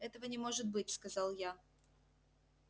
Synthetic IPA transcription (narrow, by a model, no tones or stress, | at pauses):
ɛt̪əvənʲɪmo̞ʐɨt̪̚bɨt̚ʲskɐzɑlˠja